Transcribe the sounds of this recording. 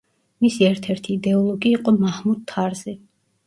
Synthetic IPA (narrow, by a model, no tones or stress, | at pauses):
misiɛɾt̪ʰɛɾt̪ʰiːd̪ɛɔlˠɔɡiːqʼɔmahmud̪̚t̪ʰːaɾzɛ